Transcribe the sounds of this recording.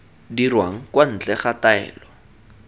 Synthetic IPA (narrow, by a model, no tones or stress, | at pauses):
dirwaŋ̩kwan̩t͡ɬʼɛχataɛ̰ːlɔ